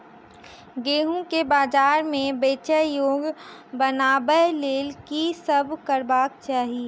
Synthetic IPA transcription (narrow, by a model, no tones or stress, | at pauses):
ɡeːɦũkebaːd͡ʒaːɾmẽbeːt͡ʃəjoːɡbənaːbəɦleːlkisəbʱkəɾbaːk̚t͡ʃaːɦie